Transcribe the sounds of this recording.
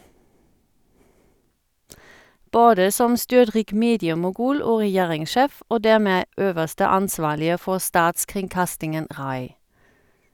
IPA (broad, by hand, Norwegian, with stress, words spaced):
ˈboːdə ˈsɔm ˈstʏʁˌtʁiːk ˈmeːdɪəmʊˌɡʉːl ˈoː ʁɛˈjeːʁɪŋˌʃeːf ˈoː ˈdæːʁˌmeː ˈøːʋəʁstə ˈɑnˌsʋɑːlɪə ˈfɔʁ ˈstɑːtskʁɪŋˌkɑstɪŋən ˈʁɑɪ